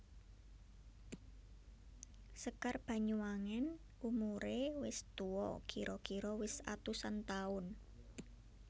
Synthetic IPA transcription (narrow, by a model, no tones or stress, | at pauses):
səkarb̥a̤ɲuwaŋɛn | umuɾewɪst̪uɔ̰ɡ̥iɾɔɡ̥iɾɔwɪsa̰t̪usant̪aʊn